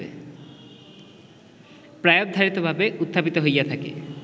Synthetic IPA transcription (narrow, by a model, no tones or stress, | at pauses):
ḛ | pɾaob̚d̪ʱaɾit̪obʱabeut̪ʰːapit̪oɦojat̪ʰakḛ